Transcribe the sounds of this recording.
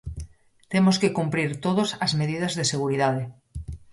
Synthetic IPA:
t̪emoskekumpɾiɾt̪oð̞osazmeð̞ið̞azðeseɣ̞uɾiðað̞e

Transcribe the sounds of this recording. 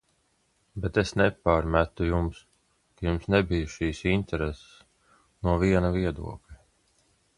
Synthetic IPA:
bet̪esnɛpaːɾmʲæt̪ujums | kajumsnɛbijuʃiːsint̪ɛɾes | nuɔviɛnaviɛd̪ṵɔklʲɛ

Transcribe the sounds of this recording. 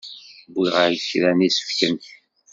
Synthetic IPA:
bːiʁaəçɾænisə̥fkənt̪

